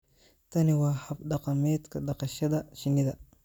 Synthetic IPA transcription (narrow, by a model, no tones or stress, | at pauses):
t̪ʰɐnɪwɑːħɐbɖɑqɑmɛːd̪kʰɐɖɑqɑʃɐðɐʃɪnːɪðɐ